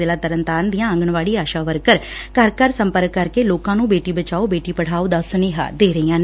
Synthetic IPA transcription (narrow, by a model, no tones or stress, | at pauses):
eːlaːt̪əɾənt̪aːnd̪ɪjãːə̃ŋɡəɳʋaːɭiːaːʃaːʋəɾkəɾkəɾkəɾsəmpəɾəkːəɾkeːloːkãːnũːbeːʈiːbət͡ʃaːoːbeːʈiːpəɽ̤aːoːd̪aːsʊniːɦa̰ːd̪eːɾəiːãː